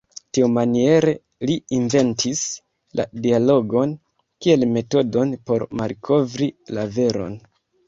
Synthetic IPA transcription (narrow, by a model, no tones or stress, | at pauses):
tiumanie̞ɾe̞ | liiɱve̞ntʰis | la̰dialo̞ɡo̞n | kie̞lme̞to̞do̞npo̞ɾmalkʰo̞vɾilave̞ɾo̞̰n